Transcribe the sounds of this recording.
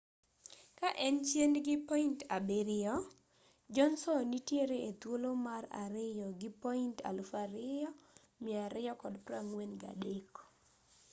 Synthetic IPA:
kaʔɛnt͡ʃjenɡɪpɔintabeɾɪjɔ | d͡ʒɔnsɔnitjeɾeet̪wolomara̰ɾɪjɔɡɪpɔinta̰lʊfaɾɪjɔ | maɾɪjɔkɔdpɾaŋwenɡa̰dekɔ̥

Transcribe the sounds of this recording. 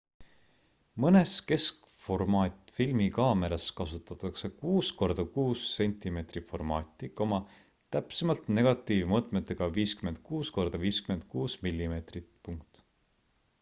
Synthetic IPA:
mɤne̞ske̞skfo̞rmɑːt̪ʲˑfilmikɑːme̞ɾɑskɑsut̪ːˑɑt̪ːˑɑkse̞kuːsko̞rd̪̥ɑkuːse̞nʲt̪ˑime̞t̪rifo̞rmɑːt̪ʲːˑiko̞mɑ | t̪æpsemɑlt̪ne̞ɡ̥ɑt̪ːˑiːvmɤt̪ˑmet̪ːˑeɡ̥ɑviːskyment̪̚kuːsko̞rd̪̥ɑviːskyme̞nt̪̚kuːsmilːime̞t̪rit̪puŋk̚t̪

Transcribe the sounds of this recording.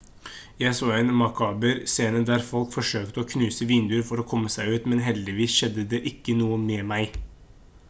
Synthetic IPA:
jæɪsoːɛnmɑkʰɑːbəɾseːnəd̪æɾfɔlkfɔʂøːkt̪əɔːkʰnʉːsəʋɪnd̪ʉːəɾfɔɾoːkʰɔmːəsæɪʉːt̪mɛnɦɛld̪ɪʋiːsʃɛd̪ːəd̪ɛʔɪkːənuːəmɛːmæɪ

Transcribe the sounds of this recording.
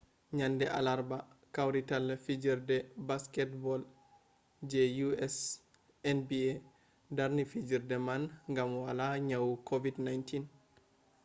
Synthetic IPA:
ɲandɛʔa̰laɾbakawɾitalːɛfid͡ʒiɾdɛbaskɛtbɔl | d͡ʒɛjuɛs | ɛnbie | daɾnifid͡ʒiɾdɛmanŋɡamwalaɲawkʰovidnajntin

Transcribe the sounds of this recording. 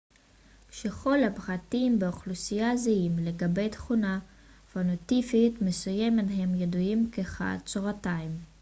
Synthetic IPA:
ʃeχo̞lhapχatimbeoχlusijazeimle̞ɡabe̞jtχuna | fanotifitme̞sujemethe̞mjeduimkeχa̰t͡soʁataim

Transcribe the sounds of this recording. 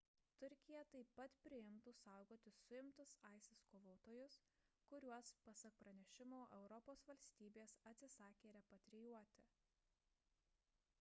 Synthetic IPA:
t̪ʊɾʲkʲɪjɛt̪ɐɪpːɐt̪pʲɾʲɪɪmt̪ʊsɑˑʊɡoːt̪ʲɪsʊɪmt̪ʊsɐˑɪsʲɪskoːʋoːt̪oːjʊs | kʊɾʲuɔspɐsɐk̚pɾɐnʲɛʃʲɪmoːʔɛʊɾɔpoːsʋɐlʲsʲt̪ʲiːbʲeːsɐt̪ʲsʲɪsɑːkʲeːɾʲɛpɐt̪ʲɾʲɪjuɔt̪ʲɪ

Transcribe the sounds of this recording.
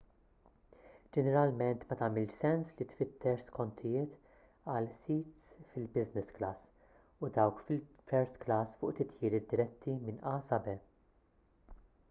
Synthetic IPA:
d͡ʒɛnɛɾɐlmɛnt̪mɐt̪ɐmɪlʃsɛnslit̪fɪt̪ʰːɛɾʃskɔnt̪ʰɪjɪːt̪ | ɐlsiːt̪sfɪlbɪznɪsklɐs | ʊd̪ɐwkfɪl | fɛɾst̪klɐsfʊ̰ːʔt̪ɪt̪jɪːɾɪd̪ːɪɾɛt̪ʰːimɪnɐːsɐbɛ

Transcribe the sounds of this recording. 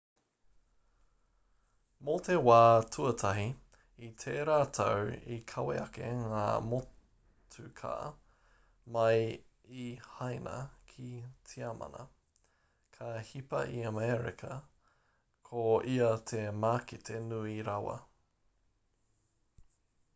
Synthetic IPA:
mot̪ʰewaːtʰuɐtʰɐɦi | it̪ʰeːɾaːtʰɐwikʰɐwḛɐkeŋa̰ːmo | tʰʉkʰa̰ː | mɐj | ihɐjnʔɐ̰kʰit͡sʰiɐmʔɐ̰nɐ̰ | kʰɐhipɐ̰ʔiəmɛɾḭkʰɐ | kʰoiɐt̪ʰemaːkitʰenuiɾɐwɐ̰

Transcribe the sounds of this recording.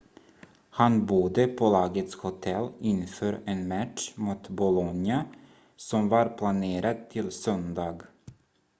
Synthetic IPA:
hanbud̪əpʰɔlɑːɡət̪shʊt̪ʰɛlːɪnfœːɾɛnmæʈʂmuːt̪bʊlɔnja | sɔmvaɾpʰlaneːɾad̪̚t̪ʰɪlsœnd̪ɑːɡ

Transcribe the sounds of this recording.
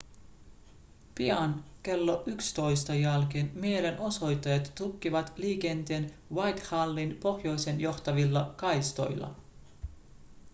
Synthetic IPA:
piɑnke̞lːo̞ʔykst̪o̞jst̪ɑjɑlkenmie̞le̞nʔo̞so̞jt̪ːɑjɑt̪t̪ukːiʋɑt̪liːke̞nt̪e̞ːn | wɑjt̪hɑlːinpo̞xjo̞jse̞njo̞xt̪ɑʋilːɑkɑjst̪o̞̰jlːɑ̰

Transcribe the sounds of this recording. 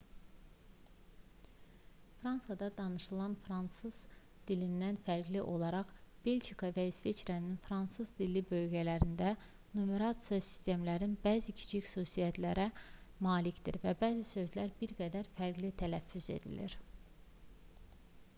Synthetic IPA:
fɾɑnsɑd̪ɑd̪ɑnɯʃɯlˠɑnfɾɑnsɯz̥ | d̪̥ilind̪ænfæɾɡliʔo̞lˠɑɾɑχb̥e̞lʲd͡ʒikʰɑvæisvet͡ʃɾɑninfɾɑnsɯzd̪ilːibø̞lɟælæɾind̪æ | numeɾɑt̪sijɑsi̥st̪e̞mlæɾinbæːzicʰi̥t͡ʃʰixsuːsijæt̪ʰlæɾæmɑːlicd̪ḭɾvæbæːzisø̞zlæɾbiɾɡæd̪æɾfæɾɡlit̪ʰælæfːyze̞̰d̪ḭlḭɾ

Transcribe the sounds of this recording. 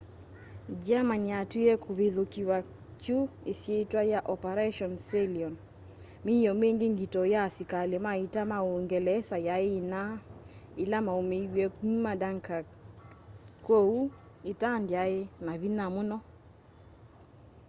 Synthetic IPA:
d͡ʒamaɲatweɛkʰoβeðokiwa | t͡ʃuesjetwajaʔɔpaɾɛʃɔnsɛliɔn | mijɔmeŋɡeŋɡitɔjasikalemaitamaoŋɡɛlɛsajaeːnaelamaomewɛkuɲmadaŋka | kou | etandjaenaβinamonɔ

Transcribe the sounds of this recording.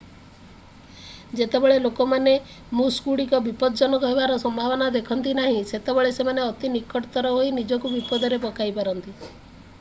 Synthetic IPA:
d͡ʒet̪ebeɭelokɔmane | mũskuɽikɔbipɔd̪ɔd͡ʒɔnɔkɔɦebaɾɔsɔmbʱabɔnad̪ekʰɔnt̪inaɦĩset̪ebeɭesemaneɔt̪inikɔʈt̪ɔɾɔɦoinid͡ʒɔkubipɔd̪ʱɔɾepɔkajpaɾɔnt̪i

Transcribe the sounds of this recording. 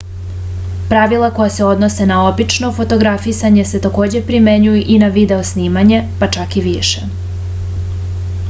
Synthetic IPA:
pɾaʋilˠako̞jase̞o̞d̪no̞se̞nao̞bit͡ʃno̞fo̞t̪o̞ɡɾafisaɲe̞se̞t̪ako̞ːd͡ʑe̞pɾime̞ɲujuʔinaʋid̪e̞o̞sniːmaɲe̞pat͡ʃakiʋiʃe

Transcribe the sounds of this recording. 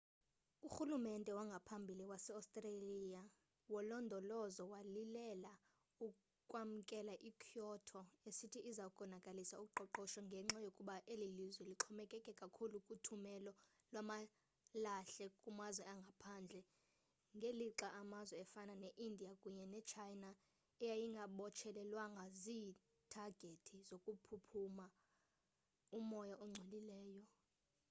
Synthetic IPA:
uxulumɛntʼɛwaŋɡʱapʰambʱiliwasɛastʼralija | wɔlɔndʱɔlɔzɔwalilɛla | u | kʼwam̩kʼɛlaʔikʰijɔtʰɔesitʰiʔizakʼɔnakʼalisaukʼuǃɔǃɔʃɔŋɡʱɛŋ͡ǁajokʼuɓaʔelilizwɛliǁʰɔmɛkʼɛkʼɛkʼakʰulukʼutʰumɛlɔ | lwama | laɬɛkʼumazwɛaŋɡʱapʰaːnd͡ɮʱɛ | ŋɡʱeliǁaʔamazwɛɛfananeʔindʱijakʼuɲɛnɛt͡ʃʰajna | ɛjajiŋɡʱaɓɔt͡ʃʰɛlɛlwaŋaziː | tʰaɡ̥ʱetʰizokʼupʰupʰuma | umɔjaʔɔŋ͡ǀʱelilɛːjɔ

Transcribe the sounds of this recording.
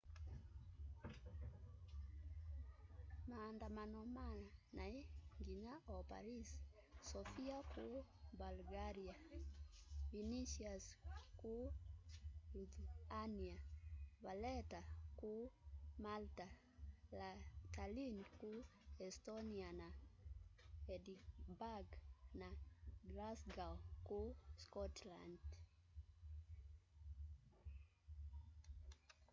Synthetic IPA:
mandamanɔmanaeŋɡiɲaʔɔpa̰ɾis | sɔfiakubalɡaɾia | viniʃiasku | udaniaβalɛtakumalta | latalinkuɛstɔniana | ɛdibaɡnaɡlasɡakuskɔtla̰nd

